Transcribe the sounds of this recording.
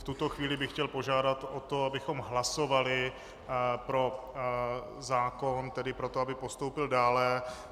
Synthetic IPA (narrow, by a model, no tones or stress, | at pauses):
ft̪ut̪o̞xviːlɪbɪxcɛlpo̞ʒaːdat̪ot̪o̞abɪxo̞mɦlaso̞valɪ | pɾo̞ | zaːkont̪ɛdɪpɾo̞t̪oabɪpo̞st̪o̞wpɪldaːlɛ